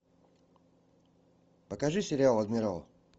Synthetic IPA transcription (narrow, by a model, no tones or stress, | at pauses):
pəkaʐɨsʲɪɾʲɪalˠɐd̪mʲɪɾal̰ˠ